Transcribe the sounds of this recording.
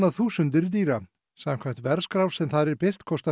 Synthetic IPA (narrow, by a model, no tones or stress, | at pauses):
naðθuːsʏnt̪ɪɾt̪iːɾa | samkʰvajht̪vɛɾskɾawvsɛmθaðɾɛɾpɪr̥t̪kʰɔst̪a